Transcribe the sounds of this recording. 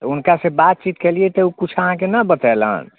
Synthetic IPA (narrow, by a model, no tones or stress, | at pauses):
unkasebat̪̚t͡ʃit̪kɛliɛt̪ɔukut͡ʃʰəɦãkenəbət̪ɛlə̰n